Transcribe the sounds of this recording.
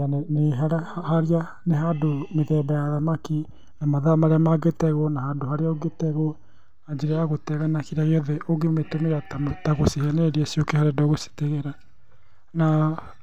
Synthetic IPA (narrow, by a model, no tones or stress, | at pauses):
anneɦaɾahahaɾia | neɦadomeðɛːbajaðamaki | namaðamaɾeamaɡetɛɣɔnahaːdohaɾeaoɡetɛɣɔ | ad͡ʒeɾɛaɣotɛːɣanakiɾaɣeɔðɛʔoɣemetomejatamtaɣosehɛnɛɾiasiokehaɾedoɣose̥teɣɛɾa | na